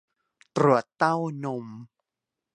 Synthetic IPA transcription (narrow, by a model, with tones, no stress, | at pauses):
t̪ɾu˨˩ət̪ːa˥˩wno˧m